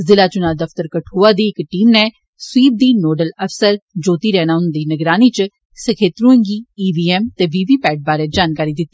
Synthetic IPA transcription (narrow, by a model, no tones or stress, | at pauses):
zɪlaːt͡ʃʊnaːd̪əft̪əɾkəʈʰuːaːd̪iːɪkʈiːmnɛː | swiːb̚d̪iːnoːɖələfʰsəɾd͡ʒoːt̪iːɾɛːnaːʊnənd̪iːnəɡɾaːniːt͡ʃ | səkʰeːt̪ɾũːə̃ŋɡiːiːʋiːɛːmt̪eːʋiːʋiːpɛːʈ̚baːɾeːd͡ʒaːnkaːɾiːd̪ɪt̪ːiː